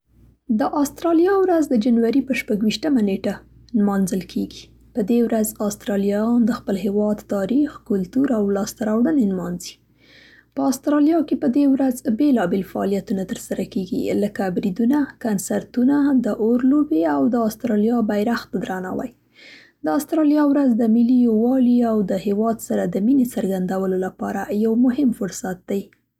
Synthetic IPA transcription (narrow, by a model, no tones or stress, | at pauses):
d̪əʔɑst̪ɾɑljɑwɾazd̪əd͡ʒanwaɾipəʃpaɡwiʃt̪əmaneʈa | nmɑnzəlkʰeɡi | pəd̪ewɾazɑst̪ɾɑlijɑjɑnd̪əxpəlɦewɑd̪t̪ɑɾixkʊlt̪uɾawlɑst̪aɾɑwɽənenmɑnzi̥ | pəɑst̪ɾɑlijɑkepəd̪ewɾazbelɑbelfaɑ̰lijat̪unat̪əɾsaɾakeɡḭləkabɾid̪unakansaɾt̪unad̪əʔoɾlobeawd̪əɑst̪ɾɑljɑbajɾaxt̪d̪ɾɑna̰wa̰j | d̪əɑst̪ɾɑljɑwɾazd̪əmɪlijowɑliawd̪əhewɑd̪saɾad̪əminesəɾɡand̪awəlolapɑɾajawmʊɦɪmfʊɾsat̪̚d̪aj